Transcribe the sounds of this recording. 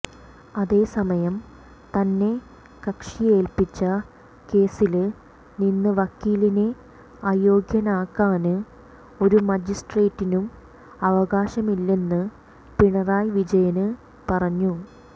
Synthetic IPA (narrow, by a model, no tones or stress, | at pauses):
ɐðe̞ːsɐmɐjɐm | t̪ɐnːe̞ | kɐkʂije̞ːlpit͡ɕːɐ | ke̞ːsil | ninːɨʋɐkːiːline | aːjo̞ːɡjɐnaːkːaːnɨ | o̞ɾumɐd͡ʑisʈreːtːinum | ɐʋɐɣaːɕɐmilːe̞nːɨ | piɳɐraːjʋid͡ʑɐjɐnɨ | pɐrɐɲːu